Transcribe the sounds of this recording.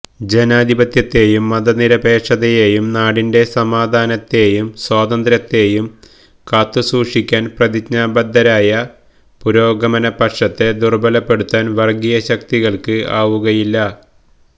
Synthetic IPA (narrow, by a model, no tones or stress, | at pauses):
d͡ʑe̞naːd̪ʱibɐt̪jɐt̪ːe̞ːjumːɐd̪ɐniɾɐbe̞ːʂɐðɐjeːjumnaːɽinde̞sɐmaːd̪ʱaːnɐt̪ːe̞ːjumswaːd̪ɐnd̪ɾɐt̪ːe̞ːjum | kaːt̪ːɨsuːʂikʲːaːnprɐd̪ikɲaːbɐd̪ːɐɾaːjɐ | puɾo̞ːɡɐmɐnɐpɐʈʂɐt̪ːe̞d̪urbɐlɐpːe̞ɽut̪ːaːnʋɐrɡijɐɕɐkt̪iɣɐɭkɨaːʋuɣɐjilːɐ